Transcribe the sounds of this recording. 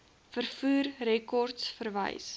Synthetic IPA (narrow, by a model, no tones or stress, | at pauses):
fərfuːrrɛkɔrtsfərvə̰js